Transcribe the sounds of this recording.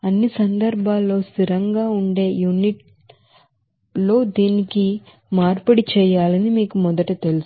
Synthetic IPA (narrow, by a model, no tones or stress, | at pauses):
ɐnːisɐnd̪ɐɾbʱaːlːo̞ːsiɾɐŋɡaːuɳɖe̞ːjuniʈ̚ | lo̞ːd̪iːniki | maːɾpɐɽit͡ʃɛːjaːlɐnimiːkumɔd̪ɐʈut̪e̞lus